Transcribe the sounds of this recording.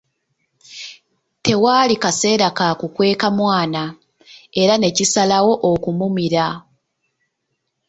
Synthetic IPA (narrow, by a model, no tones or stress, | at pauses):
te̞waːlikase̞ːɾakakukwe̞ːkamwaːna | e̞ɾane̞cisalawo̞ʔokumumiɾa